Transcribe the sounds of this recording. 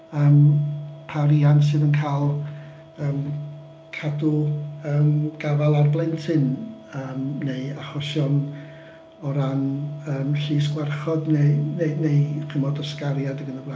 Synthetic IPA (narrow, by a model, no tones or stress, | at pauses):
əːmpʰaɾians̬ɨːðənkʰajlˠ | əːm | kʰadʊəːmɡ̥avalˠarblˠɛntʰɨnəːmneɨaχɔsjɔn | ɔɾanəːmɬiːsɡ̥wɛrχɔdneneneɨχʰəmɔdɔskaɾjadəɡənəblˠa